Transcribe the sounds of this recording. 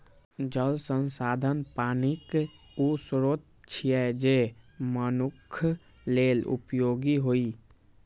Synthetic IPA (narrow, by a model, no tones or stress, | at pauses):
d͡ʒəlsənsaːd̪ʱənpaːnik | usɾot̪̚ | t͡ʃʰijɛd͡ʒemənukʰ | lelṵpjoɡiɦoi